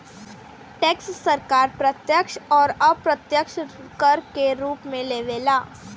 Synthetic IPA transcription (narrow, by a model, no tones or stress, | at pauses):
ʈeːkssəɾkaːɾpɾət̪jəkʃɔːɾɐpɾət̪jəkʃkəɾkeɾuːpmẽleːʋeːlaː